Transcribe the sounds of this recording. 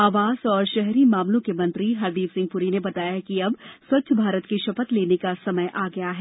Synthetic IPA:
aːʋaːz̥ɔːɾʃɛɦɾimaːmlõkemɐ̃nt̪ɾiɦɐɾd̪iːfsɪ̃ŋɡ̚pʊɾinebɐt̪aːjakiɐbswɐtːʃʰəbʱaːɾət̪kiʃɐpət̪leːnekasɐməjʔaːɡɐjaɦɛː

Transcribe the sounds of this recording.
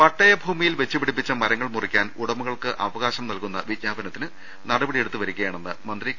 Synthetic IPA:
pɐʈːɐjɐbʱuːmijilʋe̞t͡ɕːɐpiɽipːit͡ɕːɐmɐɾɐŋːɐɭmurikʲːaːnuɽɐmuɣɐɭkɨʔɐʋɐɣaːɕɐmnɐlkunːɐʋid̪ɲaːbɐnɐt̪ːinɨ | nɐɽɐbɐɽije̞ɽut̪ːuʋɐɾukʲːɐjaːɳenːɨmɐnd̪ri

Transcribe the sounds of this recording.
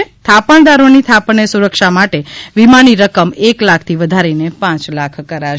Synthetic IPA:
et̪ʰapəɳ̃d̪aɾonit̪ʰapnesuɾəkʃamaʈeʋimaniɾəkəmeklakʰt̪ʰiʋəd̪ʱaɾinepãt͡ʃlakʰkəɾaʃ

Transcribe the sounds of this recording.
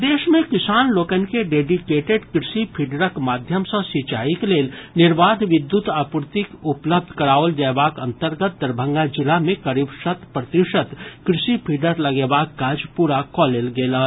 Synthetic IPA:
d̪eːʃmẽkɪsaːnloːkənkeɖeːɖikeːʈeɖkɾɪsipʰiɖəɾəkmaːd̪ʱjəmsə̃sit͡ʃaːikleːlnɪɾʋaːd̪ʱʋɪd̪jut̪aːpuɾt̪ikʊpləb̚d̪ʱkəɾaːʋəld͡ʒabaːkə̃nt̪əɾɡət̪̚d̪əɾbʱə̃ŋɡad͡ʒɪlamẽkəɾibsət̪pɾət̪iʃət̪kɾɪsipʰiɖəɾləɡebaːkkaːd͡ʒpuːɾakɔːlelɡeːla

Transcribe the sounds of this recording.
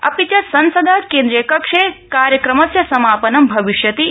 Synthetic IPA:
ɐ̰pit͡ʃɐsɐnsɐd̪ʱaːkeːnd̪ɾijɐkɐkʂekaːɾjɐkɾɐmɐsjɐsɐmaːpɐnɐmbʱɐʋiʃjɐt̪i

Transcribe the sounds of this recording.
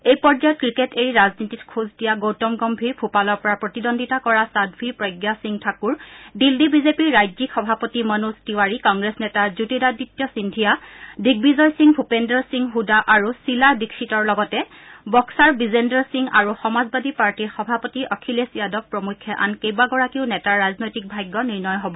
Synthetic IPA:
ejpɔɹd͡ʒajɔt̚kɹiketeɹiɹaznititkʰuzdijaɡowtɔmɡɔmbʱiɹbʱupalɔɹpɔɹapɹɔtidɔndʱitakɔɹasadbʱiɹpɹɔjɡjasiŋtʰakuɹdildibizepiɹːajzikxɔbʱapɔtimɔnustiwaɹikɔŋɡɹesnɛtazutidaditːjɔsindʱijadiɡ̚bizɔjsiŋbʱupendɔɹsiŋɦudaʔaɹusilabikʰsitɔɹlɔɡɔtɛ | bɔksaɹbizendɔɹsiŋa̰ɹuxɔmazbadʱipaɹtiɹxɔbʱapɔtiʔɔkʰilesijadɔp̚pɹɔmukʰːɛʔa̰nkejbaɡɔɹakiʊnɛtaɹːaznojtik̚bʱajɡːɔniɹnɔjɦɔbɔ

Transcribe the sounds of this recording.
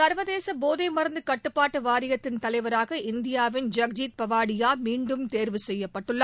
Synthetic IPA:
ɐɾʋɐðeːsɐboːðɐɪmɐɾɐnd̪ɯkɐʈːɯpːaːʈːɯʋaːɾɪjɐt̪ːɪnt̪ɐlɐɪʋɐɾaːɣɐʔɪnd̪ɪjaːʋɪnd͡ʒɐk̚d͡ʒiːt̪̚pɐʋaːɽɪjaːmiːɳɖɯmt̪eːɾʋɯsɛjːɐpːɐʈːɯɭːɐ

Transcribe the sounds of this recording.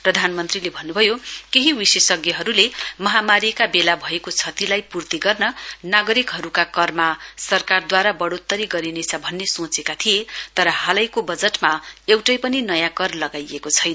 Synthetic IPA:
prʌd̪ʱanmʌnt̪rilebʱʌnːubʱʌjokeɦiwisesʌɡjʌɦʌɾulemʌɦamaɾikabelabʱʌekot͡sʰʌt̪ilajpurt̪iɡʌrnʌnaɡʌɾikɦʌɾukakʌrmasʌrkard̪waɾabʌɽot̪ːʌɾiɡʌɾinet͡sʰʌbʱʌnːesõt͡sekat̪ʰijet̪ʌɾʌhalajkobʌd͡zʌʈmaewʈʌjpʌninʌjãkʌrlʌɡajekot͡sʰʌjn

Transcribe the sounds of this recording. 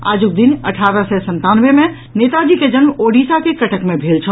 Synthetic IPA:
a̰d͡ʒuk̚d̪inə̰ʈʰaɾəsɛsənt̪anbemẽ | net̪ad͡ʒiked͡ʒənmoɖisakekəʈʰəkmebʱelt͡ʃʰəl

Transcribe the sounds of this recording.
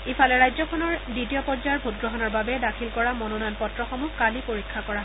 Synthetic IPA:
ifʰalɛɹajzɔkʰɔnɔɹditijɔpɔɹzajɔɹbʱut̚ɡɹɔɦɔnɔɹbabɛdakʰilkɔɹamɔnonanpɔtɹɔxɔmukalipoɹikʰːakɔɹa

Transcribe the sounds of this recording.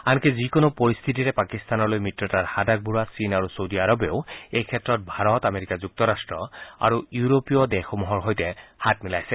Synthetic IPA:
ankɛzikonopɔɹist̪ʰit̬iɹɛpakist̪anɔɹlojmitɹɔtaɹhadak̚buɹasinaɹusowdiaɹɔbeʊejkʰɛtːɹɔt̚bʱaɹɔtameɹikazuk̚tɔɹastɹɔa̰ɹuuɹopijɔdɛxɔmɔɦɔɹɦojtɛhat̚milajsɛ

